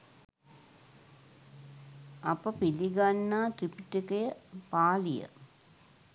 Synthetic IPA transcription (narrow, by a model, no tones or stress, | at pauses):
apəpiliɡanːaːt̪ripiʈikəjəpaːlijə̰